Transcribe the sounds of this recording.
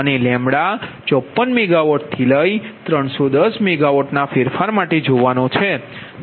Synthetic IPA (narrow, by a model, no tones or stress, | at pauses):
ənelɛ̃mbɽat͡ʃɔpːənmɛɡaʋɔʈ̚t̪ʰiləit̪ɾəɳ̃sod̪əsmɛɡaʋɔʈnafɪɾfaɾmaʈed͡ʒoʋanõt͡ʃʰe